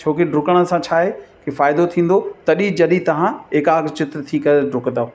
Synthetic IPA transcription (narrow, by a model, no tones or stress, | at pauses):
t͡ʃʰoːkeɖɾʊkəɽ̃ə̆sãt͡ɕʰaːɦekefaːɪd̪ot̪ʰĩːn̆d̪ot̪ɐɗĩd͡ʑɐɗĩt̪ɐʋ̤ãɦeːkaːɡt͡ɕɪt̪t̪ʰikɐɾeɖʊknd̪aː